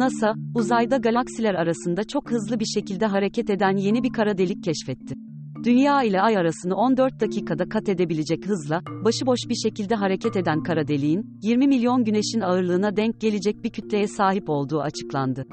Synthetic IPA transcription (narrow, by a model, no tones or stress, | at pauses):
nasauzajd̪aɡalʲaksilʲæɾaɾasɯnd̪at͡ʃʰo̞khɯzlˠɯbiɾʃe̞cilʲd̪ɛɦaɾe̞cʰɛt̪e̞d̪ænje̞nibikʰaɾad̪e̞lʲic̚cʰːɛʃfɛt̪ʰːɪ | d̪̥ynjaːilʲɛajaɾasɯnɯo̞nd̪øɾt̪̚d̪acʰiːkʰad̪akʰat̪e̞d̪e̞bilʲed͡ʒɛchɯzlˠabaʃɯbo̞ʃbiɾʃe̞cilʲd̪ɛɦaɾe̞cʰɛt̪e̞d̪ænkʰaɾad̪e̞lʲijin | jiɾmimilʲjo̞nɟyne̞ʃinaɯɾlˠɯːnad̪ɛɲc̚ɟ̥e̞lʲed͡ʒɛc̚bicʰyt̪lʲe̞jɛsaːɦipo̞lˠd̪uːat͡ʃʰɯ̥klˠa̰nd̪ɯ